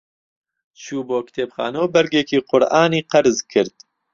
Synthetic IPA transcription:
t͡ʃʰuːboːkt̪ʰeːpxa̰ːnowbɛɾɡeːkiːqʊɾʔaːniːqɐɾzkʰɨɾd̪

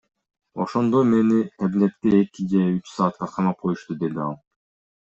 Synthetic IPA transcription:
o̞̰ʃo̞nd̪ome̞niæblep̪̚t̪eekid͡ʒeyt͡ʃsɑːt̪̚qɑqʰɑmɑp̚qʰo̞juʃt̪ud̪e̞d̪iɑlˠ

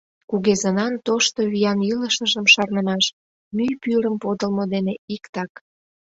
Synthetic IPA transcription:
kuɣezənɑnt̪oʃt̪oβijɑniləʃəʒəmʃɑrnəmɑʃ | myjpyɾəmpod̪əlmod̪eneikt̪ɑk

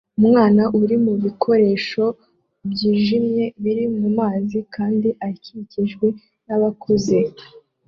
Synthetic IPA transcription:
umŋaːnaʔuɾimuβikʰo̞ɾe̞ːʃo̞ | bɟiːʒimje̞βiɾimumaːzikʰaːndiʔaciciʒɡwe | naβakuze̞

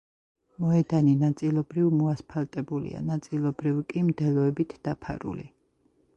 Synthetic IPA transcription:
mɔɛd̪aninat̪sʼilˠɔbɾivmɔaspʰalt̪ʼɛbulḭa̰nat̪sʼilˠɔbɾivkʼimd̪ɛlɔɛbit̪ʰd̪̥apʰa̰ɾṵlḭ

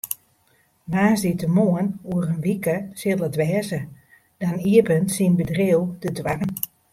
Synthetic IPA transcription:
ʋaːzditəmoənuəɾənʋikəsɪəlˠədʋɛːzə | d̥aniəpənsinbədreəwdədwaɡn

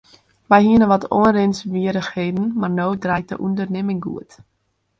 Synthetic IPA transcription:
ʋɛjɦiənəʋɔto̰ənrɪnsʋiəɾəxheːdn̩marnoːwdrɛj̚də̰ʔundərnɪmɪŋɡṵət

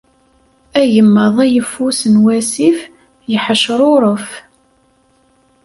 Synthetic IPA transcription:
æjəmːəðˤæjəfːusənwæsif | jəħəʃɾˤʊɾˤəf

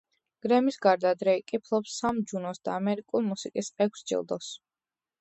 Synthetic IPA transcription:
ɡ̥ɾɛmisɡaɾd̪ad̪ɾɛikʼipʰlˠɔpsːamd͡ʒunɔsd̪̥a̰ːmɛɾikʼulˠmusikʼisɛkʷʰsd͡ʒḭlˠd̪ɔs

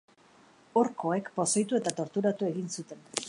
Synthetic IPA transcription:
oɾko̞e̞kpo̞sojt̪ue̞t̪at̪o̞ɾt̪uɾat̪ue̞ɣinsut̪e̞n

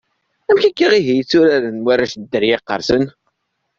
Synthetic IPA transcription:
æmçækːiʁiɦijət͡sːuɾæɾənwaɾæʃd̪ːəɾjɪqːə̰ɾsən

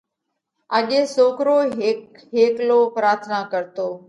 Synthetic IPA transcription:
əɠeːsoːkɾoːɦɪk | ɦeːkloːpɾaːɾt̪ʰnaːkəɾt̪oː

